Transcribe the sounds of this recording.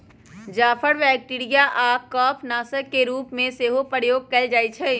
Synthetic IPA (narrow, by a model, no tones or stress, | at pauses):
d͡ʒaːpʰəɽʋɛːk̚ʈiːɾijaʔaːp̚kɔːpʰnaːsəɾkeɾuːpmẽseːɦopəɾjoːɡ̚kɐld͡ʒaːit͡ʃʰɛ